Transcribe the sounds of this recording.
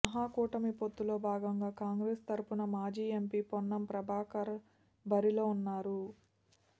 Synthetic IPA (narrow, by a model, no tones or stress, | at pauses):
ɐɦaːkuːʈɐmipot̪ːulo̞ːbʱaːɡɐŋɡaːkaːŋɡɾeːst̪ɐɾupunɐmaːd͡ʒiːempiːpɔnːɐmpɾɐbʱaːkɐɾɐ | bɐɾilo̞ːunːaːɾu